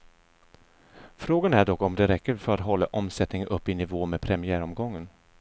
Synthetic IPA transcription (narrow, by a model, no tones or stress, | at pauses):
fɾoːɡanæɖɔkːɔmd̪ɛɾɛkːəɾfœɾat̪ɦɔlːaʔɔmsɛt̪nɪŋʔɵpːɪnɪvoːmed̪pʰɾɛmɪæːɾɔmɡɔŋːən